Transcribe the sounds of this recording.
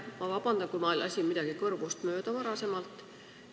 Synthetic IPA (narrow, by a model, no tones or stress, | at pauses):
mɑvɑb̥ɑnd̪̥ɑnkuimɑlʲʔɑsʲimid̪̥ɑɡ̥ikɤrvust̪mø̞ːd̪̥ɑvɑɾɑsemɑlt̪ːˑ